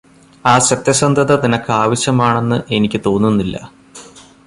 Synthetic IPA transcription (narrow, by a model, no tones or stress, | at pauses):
aːɕɐt̪jɐsɐnd̪ʱɐðɐt̪inɐkːɨaːʋɐɕjɐmaːɳe̞nːɨʔe̞nikʲːɨt̪o̞ːnːunːilːɐ̰